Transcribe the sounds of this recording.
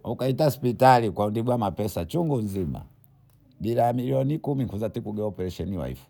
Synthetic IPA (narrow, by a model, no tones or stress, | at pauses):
ukaitaspitalikwaundiɓwamapɛsat͡ʃuŋɡunzima̰ | ɓilaamiliɔnikumiŋkuzatikuɡɛɔpɛɾɛʃɛniwa̰ḭfu̥